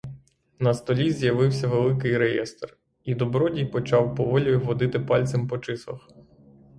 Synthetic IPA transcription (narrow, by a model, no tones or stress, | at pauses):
nɐst̪ɔlʲizʲjɐʋɪwsʲɐʋelˠɪkɪjɾejɛ̰st̪r | id̪ɔbɾɔdʲijpɔt͡ʃɑwpɔʋɔlʲɔjʊʋɔd̪ɪt̪ɪpɑlʲtsɪmpɔt͡ʃɪsˠɐ̰x